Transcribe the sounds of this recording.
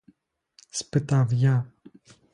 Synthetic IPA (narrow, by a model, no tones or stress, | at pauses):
spɨt̪avja